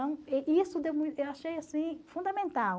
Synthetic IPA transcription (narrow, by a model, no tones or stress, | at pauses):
ɐ̃w̃ɛʔisʊd̪ewmũj̃t̪ewaʃejasĩfũnd̪amẽnt̪aw